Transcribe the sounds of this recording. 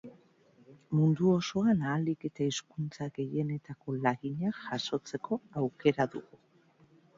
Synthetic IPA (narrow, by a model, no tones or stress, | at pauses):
mund̪uo̞so̞anaːlike̞t̪aiskunt͡saɣe̞je̞ne̞t̪ako̞laɣiɲaʝaso̞t͡se̞ko̞awke̞ɾaðṵɣu